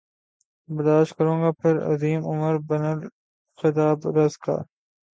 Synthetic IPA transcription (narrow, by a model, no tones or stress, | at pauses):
bɐɾd̪aːʃtkɐɾũːɡaːpʰɪɾɐ̰ziːmʊməɾbɐnəl | xɪt̪aːbɾɐzka̰ː